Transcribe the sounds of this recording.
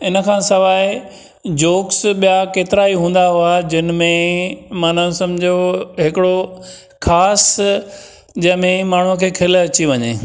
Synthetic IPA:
ɪnə̆kʰãːsɐʋaːɪ | d͡ʑoːksɓijakeːt̪ɪɾaːiɦũːn̆d̪aɦʊad͡ʑɪnmẽmãːnãsɐ̃md͡ʑʱioɦɪkɪɽo | xʰaːs | d͡ʑɐ̃ɦɪ̃mẽmaːɳ̤uəkʰeːkʰɪlɐt͡ɕiʋɐɲḛː

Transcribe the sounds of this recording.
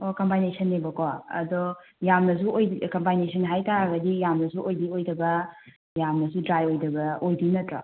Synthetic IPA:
okɐmpajnesʰɐnːebɐkɔɐ̰dɔ | jamnɐs̬uʔojkɐmpajnesʰɐnɦajtaɾɐɡɐdijamnɐsuʔojdiojdɐbɐ | jamnɐsudɾajojdɐbɐojdinɐtɾa̰

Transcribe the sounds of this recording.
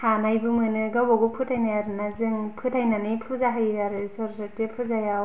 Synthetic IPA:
hanajbɯmɯnɯɡawbaɡɔpʰɯtʰajnajaɾɯnazɯŋpʰɯtʰajnanipʰuzaɦɯjaɾɯsɯɾsɯtipʰɯzajaw

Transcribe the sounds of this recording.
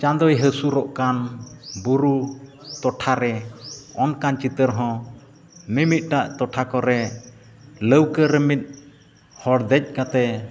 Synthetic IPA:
t͡ʃand̪ɔjɦəsuɾɔʔkanbuɾu | t̪ɔʈʰaɾɛɔnkant͡ʃit̪əɾɦɔ̃ | mimit̪̚ˀʈaʔt̪ɔʈʰakɔɾɛ | ləwkəɾəmit̪̚ˀ | hɔɽd̪ɛc̚kat̪ɛ

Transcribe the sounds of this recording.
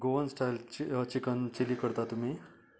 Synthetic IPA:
ɡoənsʈʰajlt͡ɕikənt͡ɕilikəɾt̪at̪um̤i

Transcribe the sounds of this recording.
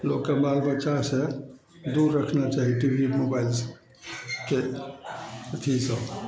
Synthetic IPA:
lokːebalbətːʃase | d̪uɾːəkʰnat͡ʃaɦiʈibʱimobaɪl | ke | t̪ʰisə

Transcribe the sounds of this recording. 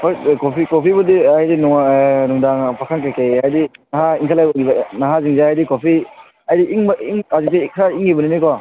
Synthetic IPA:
hojkopʰikopʰibudiajdinɔŋnuŋdaŋpʰakʰankajkejajdinaɦaiŋkʰalajɔɡibnaɦaziŋzaɦajdikopʰi | ajdiʔiŋmiŋazik̚tikʰɾaiŋibɔninikɔ

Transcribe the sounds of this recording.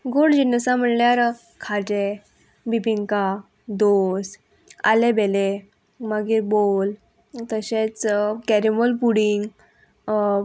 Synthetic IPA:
ɡoɽd͡ʑinəsãm̤ənljaɾ | kʰad͡ʑe | bibiŋka | d̪os | a̰lebele | məɡiːɾbol | t̪əɕet͡skɛɾimolpuɽiŋɡ

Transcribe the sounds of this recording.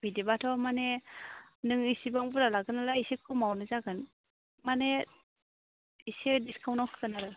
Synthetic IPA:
b̥idibatʰɔmane | nɯŋisibaŋbuɾalaɡɯnalaisekʰɯmawnɯzaɡɯn | mane | isediskʰawnawkʰɯɡɯnaɾɯ

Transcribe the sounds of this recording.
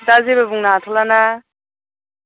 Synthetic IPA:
dazebabuŋnatʰɔlana

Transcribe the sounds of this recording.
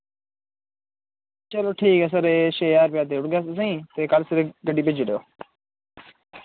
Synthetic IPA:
t͡ʃəloːʈʰiːkɛːs̬əɾeːʃeːaːɾpɪjaːt̪̬eːʊɽɡjaːss̬aĩːt̪eːkalsəɾeːɡəɖiːpɪd͡ʒɪɽejoː

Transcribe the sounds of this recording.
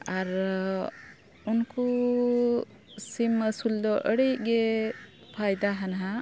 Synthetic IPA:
aɾ | unku | siməsuld̪ɔʔəɽəjʔ̚ɡɛ | pʰajd̪aɦanɦa

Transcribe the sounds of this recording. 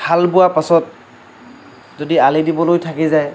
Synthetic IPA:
bʰalbʊwapasɔt̚ | zodialidibɔlojtʰakizaj

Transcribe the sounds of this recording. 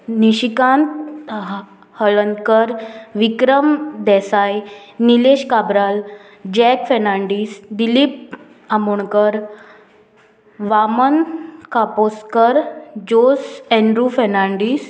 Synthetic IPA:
niɕikãnt̪̚ | həɭənkəɾʋikɾəmd̪ɛsajnileɕkabɾal | d͡ʑɛkfɛnaɳɖiːsd̪ilip̚ | amuɳkəɾ | ʋamənkaposkəɾd͡ʑosɛ̃ɳɖɾufɛɾnaɳɖiːs

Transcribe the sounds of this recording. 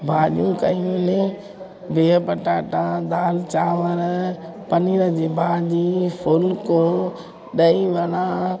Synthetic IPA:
bʱaːʄũkɐ̰jũnɪ̃ | beːpɐʈaːʈãd̪aːlt͡ɕaːʋəɾ | pɐniːɾəd͡ʑeːbʱaːʄifʊlko | ɗɐiʋɐɽ̃ãː

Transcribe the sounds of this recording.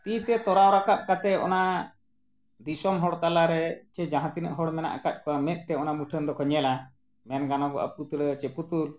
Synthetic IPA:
t̪it̪ɛt̪ɔɾawɾakat̪̚ˀkat̪ɛɔ̰na | d̪isɔmɦɔɽt̪alaɾɛt͡ʃɛd͡ʒaɦãt̪inəʔɦɔɽmɛna̰ʔakat̪̚ˀkɔwamɛt̪̚t̪ɛɔnamuʈʰənd̪ɔkʰɔɲɛla | mɛnɡanɔɡɔ̰ʔa̰p̚ut̪ɽət͡ʃɛput̪ul

